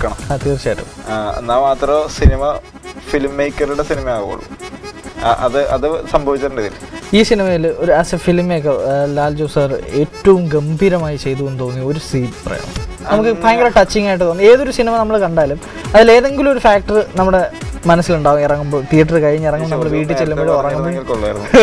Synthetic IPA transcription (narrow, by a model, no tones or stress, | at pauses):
kːɐɳɐmat̪iːrt͡ɕːaːjʈːṵanaːmɐt̪ːɐɾɐsinimɐ | filmːeːkːɐruɽesinimɐjaːɣṵo̰ɭːṵ | ʔɐ̰ðɨʔɐ̰ðɨsɐmbʱɐʋit͡ɕːɐɾɳɖiðilːiːsinimɐjilo̞ɾuɐsɐfilmːekːɐrlaːld͡ʑoːsare̞ːtːɐʋumɡɐmbʱiɾɐmaːjit͡ɕe̞jt̪̬uʋenːut̪oːnːio̞ɾusiːdprɐ̰jɐ̰nːɐ | nɐmukːɨpaːŋɡɐlɐʈɐt͡ɕːiŋːaːjiʈːɨt̪oːnːe̞ːðo̞ɾusinimɐnɐmːɐɭkɐɳɖaːɐlum | ɐðile̞ːðe̞ŋɡilumo̞ɾufaːk̚ʈɐrɨnɐmːuɽe̞mɐnɐsːiluɳɖaːɣumirɐŋːumbo̞ːt̪ijɐʈːɐrkɐjiɲːirɐŋːumnɐmːɐɭʋiːʈ̬ːɨt͡ɕːelːɐmboɭorɐŋːuboloɭːɐ